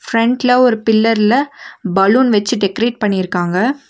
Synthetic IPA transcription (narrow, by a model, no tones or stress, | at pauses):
fɾɛɳɖlɐɔɾɯpɪlːɐɾɪlɐbɐluːnʋɛt͡ʃːɯɖɛkɾeːʈ̚pɐɳːɪɪɾɯkːaːŋɡɐ